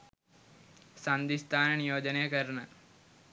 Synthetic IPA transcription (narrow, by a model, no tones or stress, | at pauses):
sɐnd̪ist̪ʰaːnɐnijoːd͡ʒɐnejɐkɐɾɐɳɐ